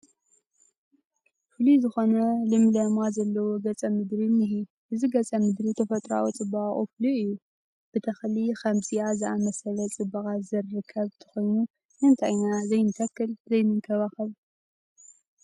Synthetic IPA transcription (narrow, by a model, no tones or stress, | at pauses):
fɨlizɨxo̞nɐlɨmlɐmazɐlːɐwoɡɐt͡sʼɐmɨd̪ɾimɨɦi | ʔɨziɡɐt͡sʼɐmɨd̪ɾit̪ʰɐfɐt̪ʼɾa̰wut͡sʼɨbaχʼṵfluʔɨjːu | b̥ɨt̪ʰɐxlixɐmt͡sʼiazɨamɐsɐlɐt͡sʼɨbɨɣazɨrːɨkʰːɐβt̪ʰɨ̥xo̞jnu | nɨnt̪ʰa̰ɲːazɐjnt̪ʰɐkːɨlzɐjmɨŋkʰɐβaxɨβ